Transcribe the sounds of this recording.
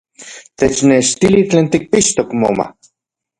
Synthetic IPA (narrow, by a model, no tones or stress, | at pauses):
t̪et͡ʃneʃt̪ilit͡ɬeːnt̪ik̚piʃt̪okmo̰ma̰